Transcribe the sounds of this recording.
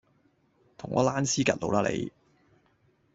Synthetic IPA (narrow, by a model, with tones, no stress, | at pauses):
t̪ʰʊ˨˩ŋʔɔː˨˧laː˥nsiː˥kɐ˨t̚lo˨˧wlaː˥lʔḛ˨˧j